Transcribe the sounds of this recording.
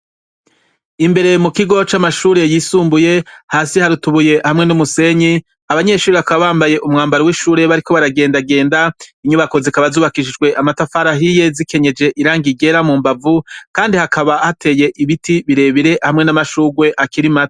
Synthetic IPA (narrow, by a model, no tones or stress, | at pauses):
imbe̞ɾe̞mukiɡo̞t͡ʃamaʃuːɾe̞jiːsuːmbuje̞haːsihaɾutuβuje̞hamŋe̞numuse̞ɲi | aβaɲe̞ʃuːɾeakaβaβaːmbaje̞ʔumŋaːmbaɾowiʃuːɾe̞βaɾikoβaɾaɡe̞ːndaɡe̞ːndaiɲuβako̞zikaβazuːβakiʃ̬id͡ʒɡwe̞ʔamatafaɾaɦije̞zikʰe̞ɲe̞d͡ʒe̞ʔiɾaːŋɡiɡe̞ɾamuːmbavukaːndihakaβahatʰe̞je̞ʔiβitiβiɾe̞βiɾe̞hamŋe̞namaʃuːɡwe̞ʔakiɾimato̥